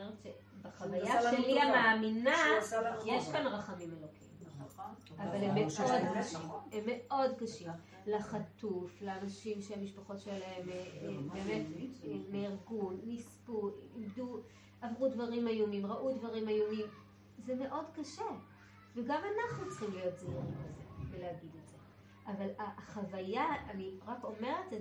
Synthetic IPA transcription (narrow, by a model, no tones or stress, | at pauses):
eʁt͡ʃe | beχavajaʃeliamaːminajeʃkanʁaχamimelokim | avalemeodkaʃimhemːe̞o̞dkaʃim | laχatufleanaʃimʃeamiʃpaχo̞tʃelaemebeːme̞temeiʁɡunːispuimdu | avʁudvaʁimajomimʁaʔudvaʁimajomim | zeme̞ʔo̞dkaʃe | veɡamanaχnut͡sχimlijo̞t̚zvaʁimezeveleaɡidetz̥e | ʔavalaχavajaaniʁako̞me̞ʁete